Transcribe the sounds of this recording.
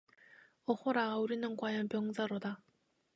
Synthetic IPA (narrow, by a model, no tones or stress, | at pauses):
ʌhoɾauɾinɯnkwajʌnpjʌŋsaɾoda